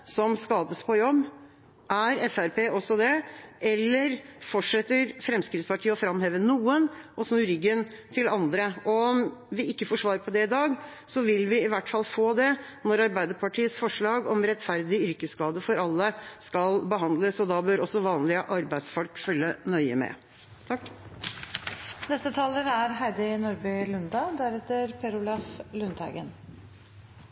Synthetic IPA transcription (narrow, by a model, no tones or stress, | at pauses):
sɔmskɑːd̪əspʰɔjɔbː | ʔæɾɛfæɾpeːʔɔsːɔd̪ɛʔɛlːəɾfɔʈʂɛt̪ːəɾfɾɛmskɾɪt̪spɑʈʰiːəɔfɾɑmheːʋənuːənʔɔsnʉːɾʏɡːən | t̪ʰɪlɑnd̪ɾəɔɔmʋɪɪkːəfoːʂʋɑːɾəɾpʰɔd̪ɛɪd̪ɑːɡ | sɔʋɪlʋɪɪʋæʈːfɑlːfoːd̪ɛ | nɔɾɑɾbæɪd̪əɾpʰɑʈʰiːəsfɔʂɭɑːɡɔmɾɛt̪ːfæɾd̪ɪʏɾkəskɑːd̪əfɔɾɑlːəskɑlbəɦɑnd̪ləsɔd̪ɑbøːɾɔsɔʋɑːnlɪəʔɑɾbæɪd̪sfɔlkfœlːənœʏə̰mɛ̰ | t̪ʰɑkː | nɛst̪ət̪ʰɑːləɾæɾɦæɪd̪ɪnɔɾbœlʉnd̪ɑd̪æɾɛt̪əɾpʰɛɾʊlɑflʉnt̪hæ̰ɡən